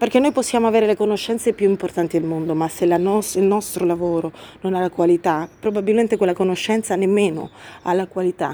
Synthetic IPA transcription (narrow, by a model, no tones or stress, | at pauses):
perk̟enːojposːjaːmoaveːɾelekonoʃːɛnt̪sepjuimport̪ant̪id̪elmond̪omasːelanɔsilnɔst̪ɾolavoːɾononalːakwalit̪apɾobabilment̪ekwelːakonoʃːɛnt̪sanemːeːno̰a̰lːakwalit̪a̰